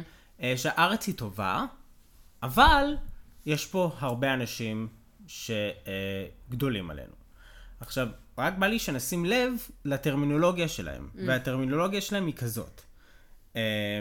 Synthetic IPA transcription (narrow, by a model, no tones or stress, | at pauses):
eʃeaʔaʁet͡shito̞va̰ | avaljeʃpo̞ɦaʁbe̞anaʃim | ʃe̞ | ɡdo̞lima̰lḛnu | aχʃav | ʁak̚baliʃenasimle̞vlateʁmino̞lo̞ɡiaʃe̞la̰he̞̰mveateʁmino̞lo̞ɡijaʃelahemikazo̞̰t | e